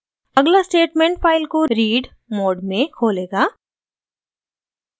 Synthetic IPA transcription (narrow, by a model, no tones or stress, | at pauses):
ɐɡlasʈeːʈmẽːɳʈpʰaːɪlkoɾiːɖ | moːɖmẽkʰoːleːɡaː